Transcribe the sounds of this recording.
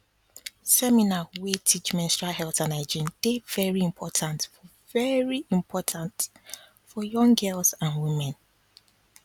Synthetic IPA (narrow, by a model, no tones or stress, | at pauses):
sɛminawetʰit͡ʃmɛ̃nstɹahɛlˠtãnaɪd͡ʒĩnd̥evɛɹiĩmpʰɔtʰãntfɔ | vɛɹiĩmpʰɔtʰãnt | fɔjɔ̃ŋɡɜlˠsãnwimɛ̃n